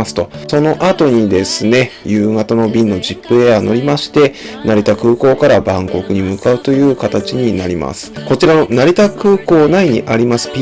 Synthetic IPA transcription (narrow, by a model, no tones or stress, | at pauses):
asɨ̥t̪o̞so̞no̞ʔat̪o̞ɲ̟id̪e̞sɨne̞jɯ̟ːŋat̪ano̞bʲĩnːo̞ʑipːɯ̟e̞ano̞ɾʲimaɕi̥t̪e̞naɾʲit̪akɯ̟ːko̞ːkaɾabãŋko̞kɯ̟ɲ̟imɯ̟kaɯ̟t̪o̞jɯ̟ːkat̪at͡ɕiɲ̟inaɾʲima̰sɨ̥ko̞t͡ɕiɾaonaɾʲit̪akɯ̟ːko̞ːnaiɲ̟iʔaɾʲimasɨ̥pʲ